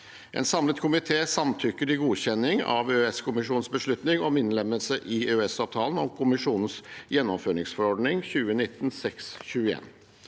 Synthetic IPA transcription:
ʔɛ̰ːnsɑmlət̪kʰʊmɪt̪ʰeːsɑmt̪ʰʏkːəɾɪɡuːɕɛnɪŋɑ̰ʋøɛskʰʊmɪʂuːn̩sbəʂɭʉt̪nɪŋɔmɪnlɛməlsəʔɪøɛsɑːʋt̪ʰɑːlən̩ɔmkʰʊmɪʂuːnn̩sjɛnːɔmføːɾɳɪŋsfɔɾɔɖnɪŋçʉːənɪt̪ːn̩sɛksçʉːəḛːn

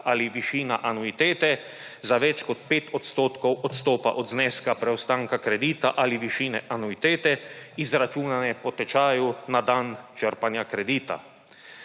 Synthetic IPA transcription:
ʔaliʋiʃiːnaʔanuit̪eːt̪ɛ | zaʋɛt͡ʃkɔt̪peːt̪ɔt̪st̪oːt̪kɔwɔt̪st̪oːpa̰ʔɔd̪znɛskapɾɛɔst̪aːŋkakɾɛd̪iːt̪aʔaliʋiʃiːnɛʔanuit̪eːt̪ɛizɾat͡ʃuːnanɛpɔt̪ɛt͡ʃaːjunad̪ant͡ʃəɾpanjakɾɛd̪iːt̪a̰

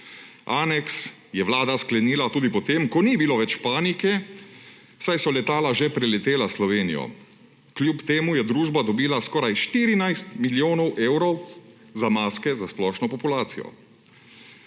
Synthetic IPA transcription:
aːnɛks | jɛʋlaːd̪asklɛniːlat̪uːd̪ipɔt̪eːmkɔnibiloʋɛt͡ʃpaːnikɛ̥ | sajsɔlɛt̪aːlaʒɛpɾɛlɛt̪eːlaslɔʋeːnḭjɔ̰ | kljuːpt̪eːmujɛd̪ɾuːʒbad̪ɔbiːlaskɔːɾajʃt̪iːɾinajst̪miljoːnɔwʔeːwɾɔw | zamaːskɛzasplɔːʃnɔpɔpulaːt̪sijɔ̰

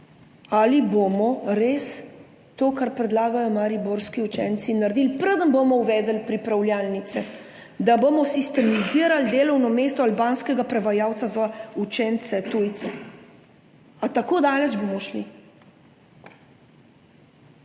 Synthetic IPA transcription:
alibomɔɾeːs | t̪oːkaɾpɾɛd̪laːɡajɔmaɾiboɾskiut͡ʃɛːnt̪sinaɾd̪ilpɾəd̪ənbomɔuʋɛːd̪əlpɾipɾawljaːlnit̪sɛ | d̪abomɔsist̪ɛmiziːɾald̪eːlɔwnɔmeːst̪ɔalbaːnskɛɡapɾɛʋajaːwt̪sazʋaut͡ʃɛnt̪sɛt̪ujt̪sɛ | at̪akoːd̪aːlɛd͡ʒbomɔʃli

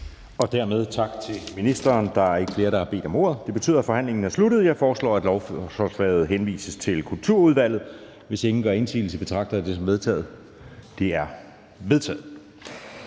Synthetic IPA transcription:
ɒ̽d̥æɐmeð̞ˠt͡sʰɑ̈ɡ̥t͡sʰe̝minisd̥ɐːnd̥ɑ̈æɐe̝ɡ̥əfle̝ːɐɾ̥ɑ̈hɑ̈b̥e̝̰ːd̥ɒ̽mo̝̰ɐð̞̩ˠd̥e̝b̥e̝t͡sʰy̰ð̰ˠæfɒ̽hæn̰le̝ŋn̩æɐslud̥ð̩ˠjɑ̈ɪfɒːslɒ̰ːæd̥lɒʊɒsʋɛ̰ːð̞̩ˠɦenʋḭːsəst͡sʰe̝lkʰult͡sʰuɐ̰uð̞ˠʋæl̰ð̞̩ˠ | ʋe̝se̝ŋn̩ɡ̥ɶɐe̝nsʰḭːl̩t͡sʰe̝b̥e̝̥t͡sʰʁɑ̈ɡ̥̚d̥ɐd̥e̝sɒ̽mʋe̝ð̞ˠt͡sʰɛ̰ːð̩ˠ | d̥eæɐ | ʋe̝ð̞ˠt͡sʰɛ̰ːð̩ˠ

